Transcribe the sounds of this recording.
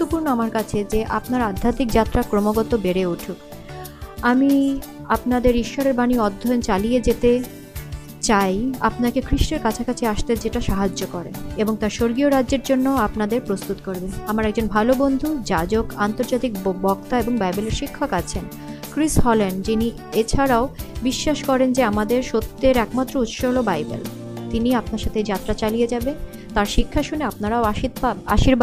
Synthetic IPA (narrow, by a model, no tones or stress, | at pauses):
t̪ːopuɾnoamaɾkat͡ɕʰed͡ʑeʔapnaɾad̪ʱːat̪ik̚d͡ʑat̪ːɾakɾomoɡɔt̪obeɾeuʈʰuk | amiapnad̪eɾiʃːɔɾeɾbaniɔd̪ʱːɔont͡ɕalijed͡ʑet̪e | t͡ɕaja̰pnakekʰɾiʃʈeɾkat͡ɕʰakat͡ɕʰeaʃt̪ed͡ʑeʈaʃaɦad͡ʑːokɔɾḛeboŋt̪aɾʃoɾɡioɾadːʑeɾd͡ʑonːoapnad̪eɾpɾost̪ut̪koɾbeamaɾɛk̚d͡ʑonbʱalobond̪ʱud͡ʑad͡ʑokant̪oɾd͡ʑat̪ik̚bɔkt̪aeboŋbajboleɾʃikʰːokat͡ɕʰen | kɾisɦɔlenɖd͡ʑini | et͡ɕʰaɾaobiʃːaʃkɔɾend͡ʑeamad̪eɾʃot̪ːeɾɛkmat̪ːɾout̪ʃoɦlobajbḛl | t̪iniapnaɾʃat̪ʰed͡ʑat̪ːɾat͡ɕalied͡ʑabe | t̪aɾʃikʰːaʃuneapnaɾaoaʃita̰ʃiɾb